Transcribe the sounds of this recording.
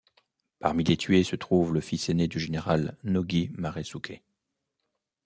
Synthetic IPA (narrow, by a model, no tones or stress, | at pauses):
paʁmilet̪ʰɥesət̪χuvləfisened̪yʒeneʁalnɔɡʲimaʁesukʰe